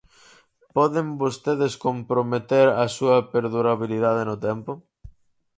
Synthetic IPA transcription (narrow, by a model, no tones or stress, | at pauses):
pɔðembost̪eðeskompɾomet̪eɾɐsuɐpeɾðuɾaβiliðað̞enʊt̪ɛmpʊ